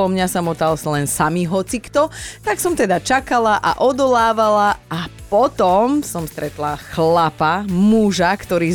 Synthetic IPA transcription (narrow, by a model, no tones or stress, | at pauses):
ɔmɲasamɔt̪alslɛnsamiɦɔt͡sikt̪ɔt̪aksɔmt̪ɛd̪at͡ʃakalaʔa̰ʔɔd̪ɔlaːʋalaapɔt̪ɔmsɔmst̪ɾɛt̪laxlapamuʒakt̪ɔɾiː